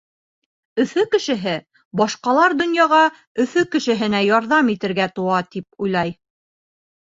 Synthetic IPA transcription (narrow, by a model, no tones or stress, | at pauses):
ɵ̆θɵkɘ̆ʃɘ̆ɦɘ | bɑʃqɑlˠɑɾd̪ŏnjɑʁɑ | ɵ̆θɵkɘ̆ʃɘ̆ɦɘ̆næjɒɾðɑmit̪ɘ̆ɾɡæt̪uɑt̪ip̚ujlˠɑj